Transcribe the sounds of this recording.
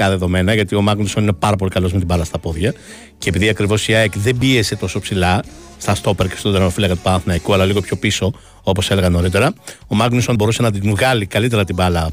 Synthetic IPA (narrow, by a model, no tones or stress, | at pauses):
ɐðe̞ðo̞me̞nɐʝɐt̪io̞mɐɡnuso̞nine̞pɐɾɐpo̞likɐlo̞zmet̪ibɐlɐst̪ɐpo̞ðʝɐ | ce̞piðiɐkɾivo̞siɐekðe̞mbie̞se̞t̪o̞so̞psilɐ | st̪ɐst̪o̞peɾce̥st̪ot̪eɾɐmofilɐkɐt̪u̥pɐɐnθinɐikuɐlɐliɣo̞pço̞piso̞ | opo̞sele̞ɣɐno̞ɾit̪̬e̞ɾɐo̞mɐknusonbo̞ɾuse̞nɐd̪inɣɐlikɐlit̪̬e̞ɾɐt̪ibɐlɐ